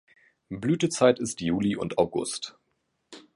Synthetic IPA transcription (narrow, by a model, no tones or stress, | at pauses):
blyːtət͡saɪtɪstjuːliʊ̰ntaʊɡʊ̰st